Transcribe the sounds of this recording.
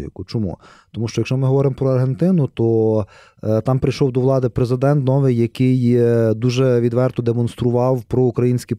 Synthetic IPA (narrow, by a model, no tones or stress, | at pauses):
ikʊt͡ʃɔmṵ | t̪ɔmuʃt͡ʃɔjɐkʃt͡ʃɔmɪɦɔʋɔɾɪmpɾɔɐrɦent̪ɪnʊt̪ɔ | t̪ɑmpɾɪjʃɔwd̪ɔʋlˠɑd̪ɪpɾezɪd̪ɛnt̪nɔʋɪjːɐkɪjd̪uʒɛʋʲid̪ʋɛrt̪ɔd̪emɔnst̪ɾʊʋɑwpɾɔukɾɐjinʲsʲkʲi